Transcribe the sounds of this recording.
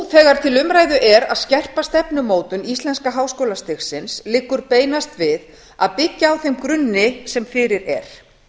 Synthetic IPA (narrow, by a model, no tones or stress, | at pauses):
θɛːɣaɾ̥t̪ʰɪlʏmɾaːjðʏʔɛɾaðscɛr̥past̪ɛpnʏmoːwt̪ʏnist̪lɛnskaɦaːwskoːwlast̪ɪxsɪnslɪːkːʏɾpeːjnast̪vɪð | aðpɪcːaːwθejmkɾʏnːɪsɛmfɪɾɪɾɛ̰ɾ̥